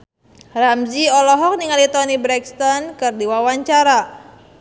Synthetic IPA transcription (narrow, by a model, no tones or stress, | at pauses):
ramziɔlɔɦɔk̚niŋalit̪ɔnibɾɛkst̪ɔnkɨrdiwawaɲt͡ʃaɾa